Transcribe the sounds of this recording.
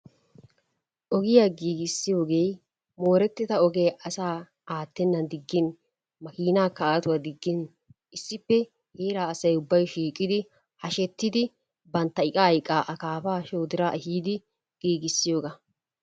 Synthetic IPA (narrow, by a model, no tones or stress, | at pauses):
ʔɔɡɪjaːɡiːɡɪsːɪjo̞ːɡej | mo̞ːɾɛt̪ːɪt̪ɐɔɡeːʔɐsaː | aːt̪ːɛnːɐnd̪ɪɡːɪn | mɐkiːnaːkːɐaːt̪ʊwad̪ɪɡːɪn | ʔɪsːɪpːɛ | heːɾaːɐsɐjʊbːɐjʃiːkʼːɪd̪ɪ | hɐʃɛt̪ːɪd̪ɪ | bɐnt̪ːɐɪkʼɐːjkʼːaːʔɐkaːfaːʃoːd̪ɪɾaːʔhiːd̪ɪ | ɡ̥iːɡɪsːɪjo̞ːɡɐ